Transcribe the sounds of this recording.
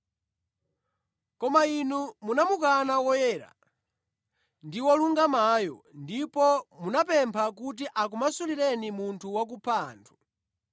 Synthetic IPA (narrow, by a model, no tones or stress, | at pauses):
kɔmainumunamukanawɔjɛːɾa̰ | ndiwɔluŋɡamajɔ̰ndipɔmunapɛmpʰak̬ut̬iʔak̬umasuliɾɛnimuntʰuwak̬upʰaːntʰu̥